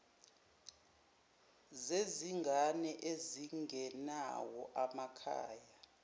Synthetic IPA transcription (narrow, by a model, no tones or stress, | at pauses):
zeziŋɡʱanɛʔeziŋʱɛna̰wɔʔamakʰa̰ːja